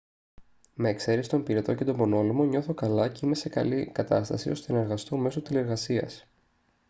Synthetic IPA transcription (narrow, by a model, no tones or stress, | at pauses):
meːkse̞ɾesi̥t̪o̞mpiɾet̪o̞ce̞t̪o̞bo̞no̞limo̞ɲo̞θo̞kɐlɐceime̞se̞kɐ̰likɐt̪ɐst̪ɐ̰sio̞st̪enɐeɾɣɐst̪o̞me̞sot̪ilie̞ɾɣɐsiɐ̰s